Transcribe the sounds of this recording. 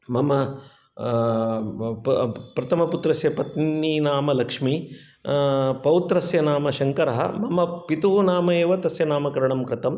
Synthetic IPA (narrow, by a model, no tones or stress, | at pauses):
mɐmɐ | pɾɐt̪ʰɐmɐput̪ɾɐsjɐpɐt̪nniːnaːmɐlɐkʂmi | pɐwt̪ɾɐsjɐnaːmɐʃɐŋkɐɾɐɦɐ̰mɐmɐpit̪uɦunaːmɐjeːʋɐt̪ɐsjɐnaːmɐkɐɾɐɳɐmkɾɪt̪ɐm